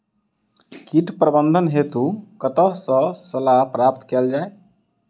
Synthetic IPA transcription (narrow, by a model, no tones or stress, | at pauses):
kiʈpɾəbənd̪ʱənɦet̪ukət̪əɦsə̃səlapɾapt̪kɛld͡ʒae